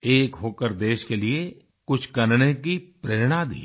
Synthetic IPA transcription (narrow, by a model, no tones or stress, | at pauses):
eːkɦoːkəɾd̪eːʃkelie | kʊt͡ʃʰkɐɾɽ̃ekipɾeːɾɽ̃ad̪ḭː